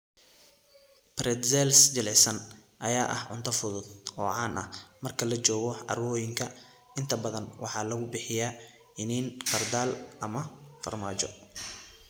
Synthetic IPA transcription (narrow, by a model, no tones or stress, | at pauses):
brɛd̪sɛlsd͡ʒɪlʕɪsɐnʔɐjaːʔɐ̰hʕʊ̰nt̪ʰɐfʊðʊd̪ɔːʕɑːnʔɐ̰hmɐrkʰɐlɐt͡ʃɔːɣɔʕɑ̰rwɔːjɪŋkʰɐ | ɪnt̪ʰɐbɐðɐnwʔɑħɑːlɐɣʊbɪħɪjaː | ɪniːnqɐrd̪aːlʔɐmɐfɐ̰rmaːt͡ʃɔ̰